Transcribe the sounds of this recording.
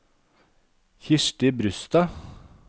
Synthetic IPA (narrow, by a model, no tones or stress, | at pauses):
çɪʃʈɪbɾʉst̪ɑ